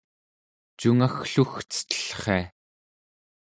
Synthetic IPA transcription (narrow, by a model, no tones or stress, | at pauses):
t͡ʃuŋaxɬuxt͡sə̥t̪ə̥ɬχḛa